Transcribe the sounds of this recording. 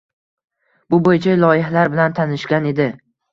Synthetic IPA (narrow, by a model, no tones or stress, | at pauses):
bʊbojɪt͡ʃʰalˠɒjɪɦalaɾbɪlant̪ʰanɪʃkʲane̞d̪ɪ